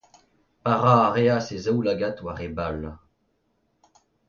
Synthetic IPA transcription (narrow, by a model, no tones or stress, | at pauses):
paʁaːʁeasezawlaɡat̪waʁebal